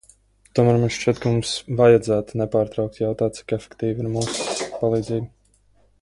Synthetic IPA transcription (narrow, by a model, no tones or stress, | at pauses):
t̪uɔmaːɾmunʃt͡ʃiɛt̪̚kamumsvajad̪zæːt̪unɛpaːɾt̪ɾawk̚t̪jawt̪aːt̪si̥kɛfɛ̥kt̪iːviɾmuːspalˠiːd̪ziːɡ